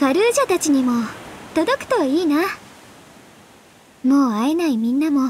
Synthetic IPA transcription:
kaɾɯ̟ːʑat̪at͡ɕiɲ̟imo̞t̪o̞d̪o̞kɯ̟̥t̪o̞iːna | mo̞ːae̞naimʲĩnːamo̞

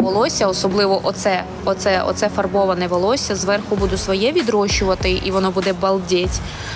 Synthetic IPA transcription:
ɔlˠɔsʲɐɔsɔblˠɪʋɔʔɔt̪sɛ | ɔt̪sɛɔ̰t̪sɛfɐrbɔʋɐnɛʋɔlˠɔsʲɐzʋɛrxʊbud̪ʊsʋɔjɛʋʲid̪ɾɔʃʊʋɐt̪ɪʔiʋɔnɔbud̪ɛbɐlˠdʲɛtʲ

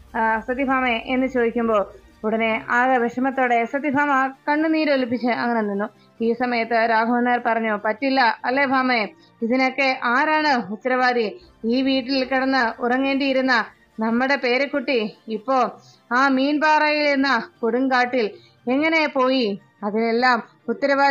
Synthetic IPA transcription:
sɐd̪ibʱaːmeʔenːɨt͡ɕo̞ːd̪ikʲːumbo̞ː | uɽɐne̞aːɐʋeʂɐmɐt̪ːoːɽe̞sɐd̪ibʱaːmɐk̪ɐɳːɨniːɾolip̬ːit͡ɕːɨɐŋːɐnenːunːu | iːsɐmɐjɐt̪ːɨɾaːɡʱɐmɐnːaːɾpɐrɐɲːupɐtːilːɐɐlːe̞bʱaːme | iðino̞kːe̞ʔaːɾaːɳɨut̪ːɐɾɐʋaːd̪iiːʋiːʈːilkɐɽɐnːɨurɐŋːe̞ːɳɖijiɾunːɐ | nɐmːuɽe̞pe̞ːɾekːuʈːiipːo̞ːɭ | aːmiːnbaːrɐjiliɾunːɐkoɽuŋkaːʈːil | e̞ŋːɐne̞po̞ːji | ɐðine̞lːaːm | ut̪ːɐɾɐʋaː

